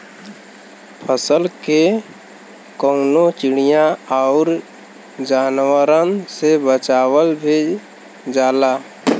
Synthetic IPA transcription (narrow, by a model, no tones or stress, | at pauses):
pʰəsəlke | kəːnot͡ʃɪɽ̃ijãaʊɾ | d͡ʒaːnwəɾənsebət͡ʃaːwəlbʱe | d͡ʒaːlaː